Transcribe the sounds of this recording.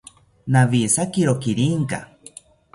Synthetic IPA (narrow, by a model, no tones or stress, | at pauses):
naβisakiɾokiɾiŋka̰